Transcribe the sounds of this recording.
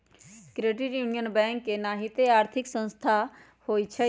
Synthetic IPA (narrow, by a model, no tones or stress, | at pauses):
kɾeːʈiʈjuːnijənbɛ̃ːŋkːenaːɦit̪eaːɾt̪ʰɪksə̃nst̪ʰaː | hoːiːt͡ʃʰɛ